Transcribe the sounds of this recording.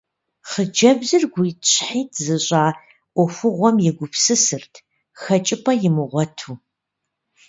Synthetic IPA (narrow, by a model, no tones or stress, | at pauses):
χəd͡ʒɐbzɨrɡʷʊjt͡ʃʰʼħiːtʰzɨɕʼaː | ʔʷɔfʊʁʷɔmjɛɡʷʊpʰsɨsɨrtʰ | xɐt͡ʃʼɪpʰɐjɪmɨʁʷɔtʰuː